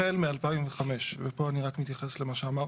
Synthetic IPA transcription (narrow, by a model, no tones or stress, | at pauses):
elmealpaimveχame̞ʃvepo̞aniʁakmit̪jaχe̞slemaʃeamaʁ